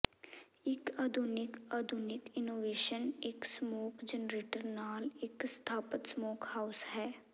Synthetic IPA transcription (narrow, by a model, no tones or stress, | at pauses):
ɪkaːd̪ʱʊnɪkaːd̪ʱʊnɪkɪnoːʋeːʃənɪksmoːkd͡ʒənɾeːʈəɾnaːlɪkst̪ʰaːpət̪smoːkhaːʊshɛː